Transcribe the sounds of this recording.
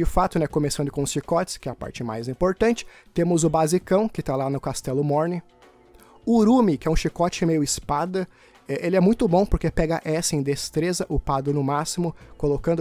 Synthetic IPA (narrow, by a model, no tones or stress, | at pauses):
d͡ʒɪfat̪ʊnɛkomesɐ̃nd̪ʊkõʊsʃikɔt͡ʃɪ̥skɪɛɐpa̰ɾt͡ʃɪma̰jzĩmpoɾt̪ɐ̃nt͡ʃɪ̥ | t̪ẽmʊzʊbazikɐ̃w̃kɪt̪alanʊkast̪ɛlʊmɔɾnɪ | ʊɾũmɪkɪɛũʃikɔt͡ʃɪmejʊɪspad̪ɐ | ɛʔelɪɛmũj̃t̪ʊbõpoɾkepɛɡɐʔɛsɪẽj̃d̪est̪ɾezɐʔʊpad̪ʊnʊmasimʊkolokɐ̃nd̪ʊ